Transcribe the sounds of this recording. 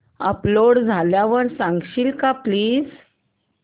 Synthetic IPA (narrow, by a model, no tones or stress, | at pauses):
əploɽd͡zʱaljaʋəɾsãŋɡɕiːlkapliːd͡z